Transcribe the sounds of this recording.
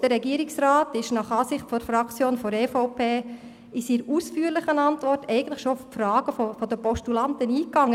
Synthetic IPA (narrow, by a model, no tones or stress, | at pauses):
d̥əɾɛɡiəɾɪksɾaːtɪʃnɑχɑːsɪχtfɔdfɾɑkt͡sjoːnfɔɾɛːfɔʊpʰeː | ɪsiːɾuːsfyːəɾlɪχənɑntʋɔrtʰɛɪɡən̩tlɪχʃoffrɑːɡ̥əfɔfɔd̥əpɔʃtulɑntəniːkːɑŋːə